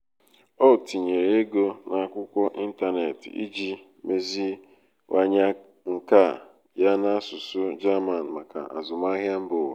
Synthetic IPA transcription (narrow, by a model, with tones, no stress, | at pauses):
ɔ˦˨ti˨ɲe˨ɾe˦ɡo˦na˦˨a˦˨kʷʊ˦kʷɔ˦ʔi˦n̩˦ta˦ne˨tḭ˦d͡ʒi˦ | me˦zi˦ | wʔa˦ɲa˦ | ŋ̩˨ka˦˨ | ja˦na˦sʊ˨sʊ˦d͡ʒa˦ma˨n̩˨ma˨ka̰˨ʔa̰˨zʊ˨ma˦ɦja˦m̩˦bʊ˨wo˨